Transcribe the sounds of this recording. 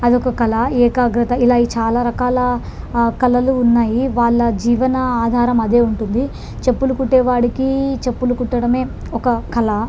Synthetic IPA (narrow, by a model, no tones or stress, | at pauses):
ɐd̪iɔkɐkɐlɐɛːkaːɡɾɐt̪ɐilaːit͡ʃaːlaːɾɐkaːlɐ | kɐlɐluːnːaːjiʋaːɭːɐd͡ʒiːʋɐnɐaːd̪ʱaːɾɐmɐd̪e̞ːuɳʈund̪i | t͡ʃe̞pːulukuʈːeːʋaːɽikit͡ʃepːulukuʈːɐɽɐme̞ː | ɔkɐkɐlɐ